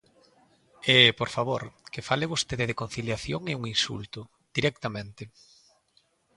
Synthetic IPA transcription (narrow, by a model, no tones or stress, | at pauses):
epoɾfaβ̞oɾkɪfaleβost̪eðɪðekon̟θiljaθjoŋeuŋinsṵlt̪ʊ | d̪̥iɾɛk̚t̪amẽnt̪ɪ